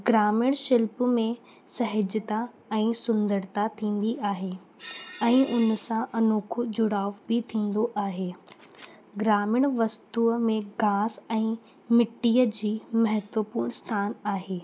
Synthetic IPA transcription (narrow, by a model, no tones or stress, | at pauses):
ɡɾaːmɪɽ̃ʃɪlpmẽ | sɐɦɪd͡ʑt̪a | ɛ̃ːsʊ̃nd̪əɾt̪at̪ʰĩːn̆d̪iʔaːɦeː | ɛ̃ːʊnsãʔɐnuːkʰʊd͡ʑʊɽaːʋbɪt̪ʰĩːn̆d̪oʔaːɦeː | ɡɾaːmɪɽ̃ʋɐst̪uːmẽɡaːsɛ̃ː | mɪʈːiːəd͡ʑiːmɐɦət̪ʋəpuːɾɳ̃st̪ʰaːnaːɦeː